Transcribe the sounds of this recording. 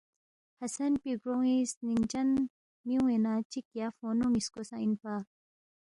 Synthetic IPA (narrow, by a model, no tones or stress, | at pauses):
hɐsɐnpiɡɾoŋisnint͡ʃɐn | miuenat͡ʃikjafoːnomiskosã̰inpa